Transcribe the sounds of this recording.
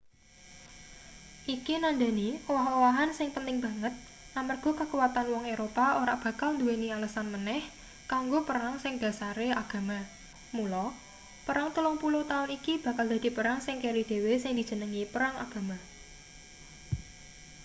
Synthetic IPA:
ʔikinand̪a̤niowaɦowaɦansɪŋpənt̪ɪŋb̥ä̤ŋət̪̚ | amərɡ̥ɔ̤kakuwat̪anwɔŋeɾopaoɾaʔb̥ä̤kalnd̪uenialasanmənɛh | kaŋɡopəɾaŋsɪŋd̪̥a̤saɾeaɡ̥a̤ma | mulɔ | pəɾaŋt̪ulʊŋpulʊht̪aʊnikib̥ä̤kald̪a̤d̪̥i̤pəɾaŋsɪŋkeɾid̪̥e̤wesɪŋd̪̥i̤̥d͡ʒ̥ə̤nəŋipəɾaŋa̰ɡ̥a̤ma

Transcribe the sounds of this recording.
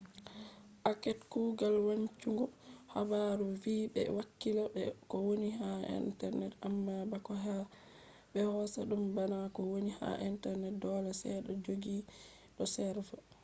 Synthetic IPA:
ʔakɛtkuɡalwaɲt͡ʃuŋɡɔha̰baɾuvibɛ̰wakːilaɛkɔwoniɦaḭntɛɾnɛtamːabakɔɦa | bɛhɔsaɗumbanakɔwoniha̰ʔintɛɾnɛt̚dɔlasɛ̰ɗɔd͡ʒoɡi | ɗɔsɛɾva

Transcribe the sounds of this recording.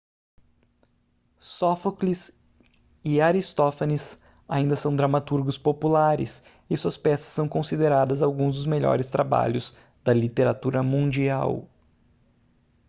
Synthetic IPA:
sofoklis | ɪaɾist̪ofanis | aĩnd̪ɐsɐ̃w̃d̪ɾamat̪uɾɡʊspopulaɾɪ̰s | ɪsuɐspɛsɐ̥sːɐ̃w̃kõsid̪eɾad̪ɐzawɡũzd̪ʊzmeʎɔ̰ɾɪst̪ɾaba̰ʎʊz̥ | d̪̥ɐlit̪eɾat̪uɾɐmũd͡ʒia̰w

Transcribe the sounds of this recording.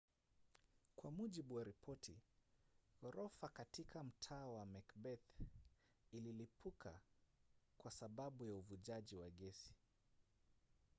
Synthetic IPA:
kwamuʄiɓuwaɾipʰɔtʰi | ɔɾɔfakatikʰam̩tʰaːwamɛkbɛθ | ililipʰukʰa | kwasaɓaɓujauvuʄaʄiwaɠɛsi̥

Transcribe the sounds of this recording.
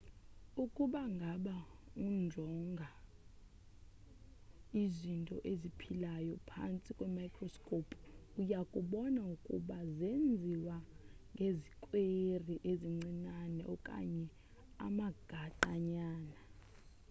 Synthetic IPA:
ukʼuɓaŋɡʱaɓaund͡ʒʱɔŋɡʱa | izintʼɔ̰ʔezipʰilajɔpʰa̰nt͡sʼikʼwɛmajkʰʼrɔskʼopʰʼujakʼuɓɔnaukʼṵɓazend͡zʱiwaŋɡʱezikʼweriʔeziŋ͡ǀinanɛɔkʼa̰ɲɛ | a̰maɡ̥ʱaǃaɲaːna

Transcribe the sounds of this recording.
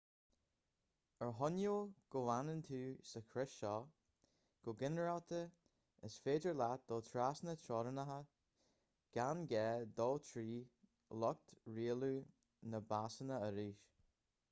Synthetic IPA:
əɹɦɔnjuɡ̥ʊanənt̪ʰuːsəkʰɾɪʃɔː | ɡ̥ʊɡɪnəɹawt̪ʰə | əsfeːdəɹlat̚d̪̥ɔːt̪ʰɾasnət̪ʰɾɔːɾənaɦə | ɡ̥anɡɛːd̪ɔːt̪ʰɾiː | lɔk̚t̪ɹiːəluː | nəbasənəəɾiːʃ

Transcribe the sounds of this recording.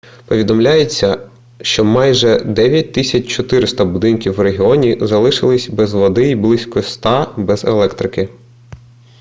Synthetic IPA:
pɔʋʲid̪ɔmlʲajet͡sʲːɐ | ʃt͡ʃɔmɑjʒɛd̪ɛʋʲjɐt̚ʲt̪ɪsʲɐt͡ʃʲt͡ʃɔt̪ɪɾɪst̪ɐbʊd̪ɪnkʲiwɾeɦʲiɔnʲizɐlˠɪʃɪlˠɪsʲbɛzʋɔd̪ɪiblˠɪsʲkɔst̪ɑbɛzḛlˠɛkt̪ɾɪkɪ

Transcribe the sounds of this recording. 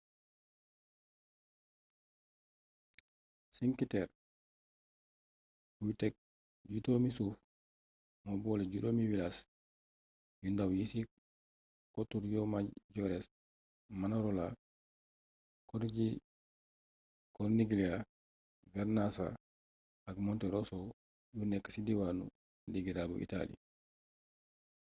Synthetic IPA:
siŋkitɛɾ | bujtɛk̚ | ɟutomisuf | mɔbɔːleɟutoːmiwilas | jundawjisi | kotuɾjɔmaɟɔɾɛs | manaɾola | kɔɾɟi | kɔɾniɡilia | ɡaɾnasa̰ | aɡmɔntɛɾoso | junɛkḁsidiwanṵ | diɡiɾabṵʔḭta̰lḭ

